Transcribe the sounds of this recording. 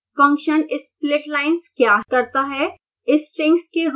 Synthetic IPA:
fɐ̃ŋkʃənɪsplɪʈlaːɪnskjaːkɐɾt̪aɦɛ | ɪsʈɾɪ̃ŋkskeɾ

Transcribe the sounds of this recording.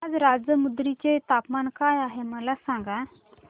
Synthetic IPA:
ad͡zɾad͡zjəmud̪ɾit͡ɕet̪apmankajaɦeməlasãŋɡa

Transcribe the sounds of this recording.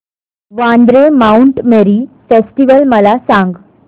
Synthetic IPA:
ʋãnd̪ɾemauɳʈmeɾiːfesʈiʋəlməlasãŋɡ

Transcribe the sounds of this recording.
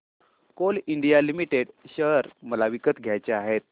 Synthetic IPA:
koliɳɖijalimiʈeɽɕəɾməlaʋikət̪ɡʱjajt͡ɕeaɦet̪̚

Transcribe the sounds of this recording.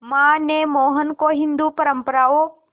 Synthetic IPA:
mãːnemoːɦənkoɦɪ̃nd̪upəɾəmpəɾaːo

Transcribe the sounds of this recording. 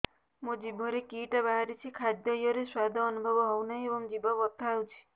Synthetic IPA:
mũd͡ʒibʱɔɾekiʈabaɦaɾit͡ʃʰikʰad̪jɔjɔɾeswad̪ʱɔːnubʱɔbɔɦɔwnaɦiebɔŋd͡ʒibʱɔbɔt̪aawt͡ʃʰi̥

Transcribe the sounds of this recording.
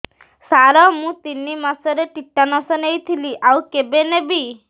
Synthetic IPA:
saɾɔmũt̪inːimasɔɾeʈiʈːanɔsɔnejt̪ʰiliʔawkebenebi

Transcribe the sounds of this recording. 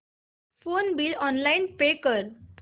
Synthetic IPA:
fonbilɔnlainpekəɾ

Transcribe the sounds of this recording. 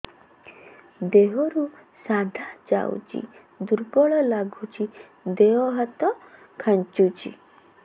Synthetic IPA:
d̪eɦɔɾusad̪ʱad͡ʒa̰ṵt͡ʃḭ | d̪uɾɡɔɭɔlaɡʱut͡ʃʰi | d̪eɦɔɦat̪ɔ | kʰant͡ʃut͡ʃḭ

